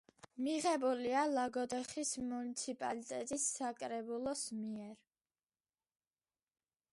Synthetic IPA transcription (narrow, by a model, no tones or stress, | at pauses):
miʁɛbulialaɡɔd̪ɛχismunit̪sʰipʼa̰lit̪ʼɛt̪ʼisːakʼɾɛbulˠɔsmiɛɾ